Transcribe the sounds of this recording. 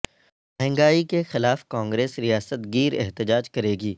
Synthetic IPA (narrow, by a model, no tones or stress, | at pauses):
mɐɦə̃ŋɡaːikexɪlaːfkãːŋɡɾeːsɾijaːsət̪ɡiːɾɛ̰ɦt̪ɪd͡ʒaːd͡ʒkɐɾeːɡiː